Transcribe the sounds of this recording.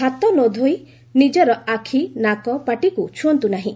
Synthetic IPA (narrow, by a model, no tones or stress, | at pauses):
ɦat̪ɔnod̪ʱoj | nid͡ʒɔɾɔakʰinakɔpaʈikut͡ʃʰuɔnt̪unaɦĩ